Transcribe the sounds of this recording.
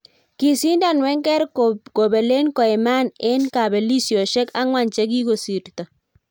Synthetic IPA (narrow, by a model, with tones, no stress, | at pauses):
ki˨si˦nda˦˨nwɛ˦ŋkɛ˦ɾko˨bɛ˨le˦nkɔ˨ɛ˨ma˦˨nɪ˦nka˨bɛ˨li˦sjo˨ʃɛ˦ka˦ŋwa˦˨nt͡ʃe˦k̬i˦ɡo˨si˨ɾt̪ɔ˨